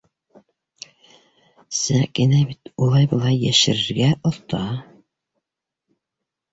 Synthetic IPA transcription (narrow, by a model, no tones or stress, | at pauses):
sækinæbit̪ulˠɑjbɤ̆lˠɑjːæʃɘ̆ɾɘ̆ɾɡæʔŏðt̪ɑ